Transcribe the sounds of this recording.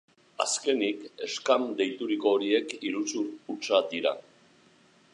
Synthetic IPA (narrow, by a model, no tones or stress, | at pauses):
a̰ske̞nike̞skamd̪e̞jt̪uɾiko̞ːɾie̞kiɾut͡suɾut͡ʃad̪iɾa̰